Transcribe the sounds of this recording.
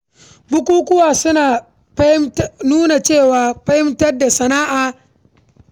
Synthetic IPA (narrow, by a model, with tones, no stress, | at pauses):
bʊ˦kʷuː˦kʷʊ˦waː˨sʊ˦naː˨ | pɐ˦ɪ˦mnuː˦na˨t͡ʃeː˦˨waː˨ɸɐ˦hɪ˦mtɐ˦rda˨sɐ˨naː˦ʔaː˨